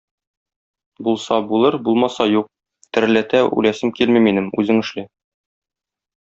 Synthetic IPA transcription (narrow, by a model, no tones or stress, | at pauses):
bulˠsɑbulˠɤɾbulˠmɑsɑjuq̚ | t̪ɘ̆ɾlæt̪æʉ̰jlæsɘmkilmiminɘmʉ̰zɘŋɘ̆ʃli